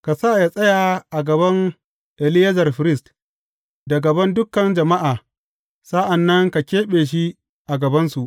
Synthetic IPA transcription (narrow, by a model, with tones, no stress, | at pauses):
ka˨saː˦˨jaː˦˨sʼɐ˦ja˨ʔa˨ɡɐ˨bɐ˦ŋ | ʔɛ˨lɪ˦jɐ˦zɐ˨rɸɪ˨ɾɪ˦st | da˨ɡɐ˨bɐ˦ndʊ˦kːɐ˨nd͡ʒɐ˨ma˦ʔaː˨ | sa˦ʔa˨nːɐ˦ŋka˨kʲeː˦ɓeː˨ʃ̬i˦ | ʔa˨ɡɐ˨bɐ˦nsu˨ʔ